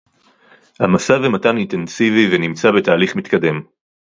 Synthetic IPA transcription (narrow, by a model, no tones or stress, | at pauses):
hamasavemataninte̞nsivivenimt͡sabe̞taːliχmit̪kade̞m